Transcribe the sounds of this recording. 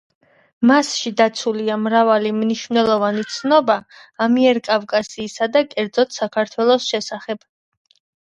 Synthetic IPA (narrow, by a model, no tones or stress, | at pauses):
masʃid̪at̪sʰuliamɾavalimniʃvnɛlˠɔvanit̪sʰnɔbaːmiɛɾkʼavkʼasiːsad̪akʼɛɾd̪zɔt̪ʰsakʰaɾt̪ʰwɛlˠɔsʃɛsaχɛb̥